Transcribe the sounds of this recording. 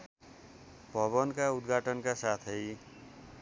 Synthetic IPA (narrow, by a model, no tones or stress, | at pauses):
bʱʌβʌnkaud̪ɡʱaʈʌnkasat̪ʰʌj